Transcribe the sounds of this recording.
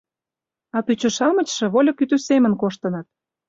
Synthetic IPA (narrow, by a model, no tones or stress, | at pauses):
ɑt̪ut͡ɕŏʃɑmə̆t͡ɕʃĕβolʲɤ̆kyt̪ysemə̆nkoʃt̪ə̆nɑt̪̚